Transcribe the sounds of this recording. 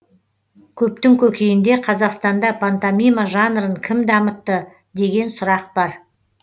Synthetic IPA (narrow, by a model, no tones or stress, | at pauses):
kʲʰɵp̚t̪ɪŋkʲʰɵkʲejɪnd̪e̞qʰɑzɑqst̪ɑnd̪ɑpʰant̪amijmaʒɑnɾəɴkʲʰɪmd̪ɑmət̪ːə | d̪e̞ɡʲe̞nsʊɾɑq̚bɑɾ